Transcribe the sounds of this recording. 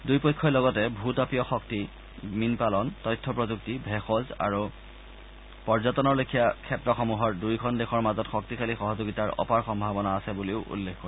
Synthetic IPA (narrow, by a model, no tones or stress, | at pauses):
dujpɔjkʰːɔjlɔɡɔtɛbʱutapijɔxɔk̚ti | minpalɔntɔjtʰːɔpɹɔzuk̚tibʱɛxɔza̰ɹu | pɔɹzatɔnɔɹlokʰijakʰɛtɹɔxɔmuɦɔɹdujkʰɔndɛxɔɹmazɔtxɔk̚tikʰalixɔɦɔzoɡitaɹɔ̰paɹxɔmbʱabɔnaːsɛbuliʊʔṵlːekʰkɔɹɛ